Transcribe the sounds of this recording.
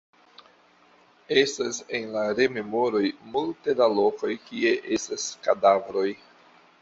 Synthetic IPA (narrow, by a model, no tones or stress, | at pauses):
e̞stase̞nlaɾe̞me̞mo̞ɾo̞jmultedalo̞ko̞jkie̞ʔe̞staskadavɾo̞j